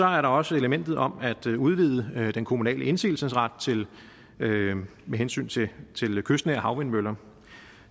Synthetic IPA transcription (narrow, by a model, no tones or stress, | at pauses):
sɒ̽æɐɾɑ̈ɒ̽səe̝ləmen̰d̥ð̩ˠʔɒ̽mæd̥uð̞ˠʋið̞ˠəd̥enkʰo̝munɛ̰ːləe̝nsḭːl̩səsʁɑ̈d̥̚t͡sʰe̝l | ømeɦensy̰ːnt͡sʰe̝t͡sʰe̝lkʰøsd̥nəɒhɑ̈ʊʋenmølɐ